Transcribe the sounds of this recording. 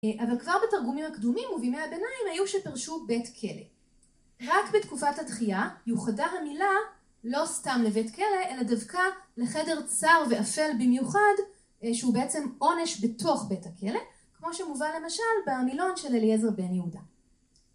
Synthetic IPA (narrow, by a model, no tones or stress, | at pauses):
ʔavalkvaʁbetaʁɡumimhakdumimuvimeabe̞naimhajuʃepiʁʃube̞tkʰe̞le̞̰ | ʁakbetkufathatχiajuχadaɦamila | lo̞stamle̞ve̞tke̞le̞ʔeladavkaleχede̞ʁt͡saʁve̞afe̞lbimjuχad | ʃeubeet͡semo̞ne̞ʃbe̞tʰo̞χbe̞thakʰe̞le̞ | kmo̞ʃemuvanle̞maʃalbemilo̞nʃe̞lelezʁbe̞njeuda